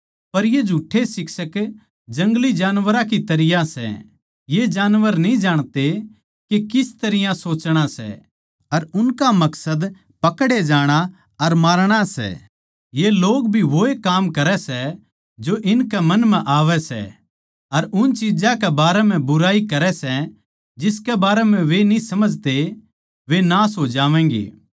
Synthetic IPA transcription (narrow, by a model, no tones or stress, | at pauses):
pɐɾjed͡ʒʱuːʈʰːesɪksək | d͡ʒɐ̃ŋɡlid͡ʒaːnʋəɾãkit̪ɐɾɪjasɛ̰ | jed͡ʒaːnʋəɾnĩd͡ʒaːɽ̃t̪e | kekɪst̪ɐɾɪjãsoːt͡ʃɽ̃asɛ̰ | ɐɾʊnkamɐksəd̪ | pɐkɽed͡ʒaːɽ̃a | ɐɾmaːɾɽ̃asɛ̰ | jeloːɡbʱiʋoːekaːmkɐɾɛsɛ | d͡ʒoʔɪnkɛmɐnmɛ̃ʔaːʋɛsɛ̰ | ɐɾʊnt͡ʃɪd͡ʒãkɛbaːɾɛmɛ̃bʊɾaːikɐɾɛsɛ | d͡ʒɪskɛbaːɾɛmɛ̃ʋenisɐməd͡ʒʱt̪e | ʋenaːsɦoːd͡ʒaːʋɛ̃̆ːɡḛː